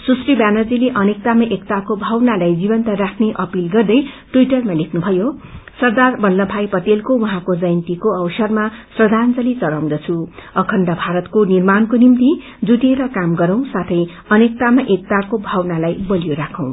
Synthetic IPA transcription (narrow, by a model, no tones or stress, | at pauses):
susribanʌrd͡zileʔʌnek̚t̪amaʔekt̪akobʱawnalajd͡zibʌnt̪arakʰneʔʌpilɡʌrd̪ʌjʈuiʈʌrmalekʰnubʱʌjosʌrd̪arbʌlːʌbʱajpʌt̪elkowʌɦãkod͡zʌjnt̪ikoʌwsʌrmasrʌd̪ʱant͡sʌlit͡sʌɾaw̃d̪ʌt͡sʰuʌkʰʌnɖabʱaɾʌt̪konirmankonimt̪i | d͡zuʈeɾʌkamɡʌɾʌw̃sat̪ʰʌj | ʌnek̚t̪amaʔek̚t̪akobʱawnalajbʌlijoɾakʰʌ̃w̃